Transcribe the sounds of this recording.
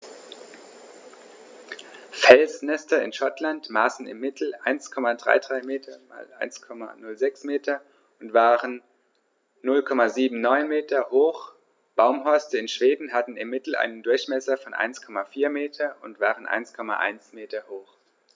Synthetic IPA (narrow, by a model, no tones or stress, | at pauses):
fɛlsnɛstɐɪ̰nʃɔtʰlantmaːsn̩ɪ̰mːɪtʰl̩ʔa̰ɪnskʰɔmadʁa̰ɪdʁaɪmeːtʰɐma̰ːlʔa̰ɪnskʰɔma̰nʊlzɛksmeːtʰɐ | ʊntv̥aːʁənː | ʊlkʰɔmaziːbm̩nɔʏnmeːtɐhoːx | b̥aʊmɦɔʏstəɪnʃv̥eːdn̩ɦatn̩ɪmːɪtl̩ʔa̰ɪnəndʊɐçmɛsɐfɔnʔa̰ɪnskʰɔmafiːɐmeːtʰɐʔʊntv̥aːʁənʔa̰ɪnskʰɔma̰ʔa̰ɪnsmeːtɐhoːx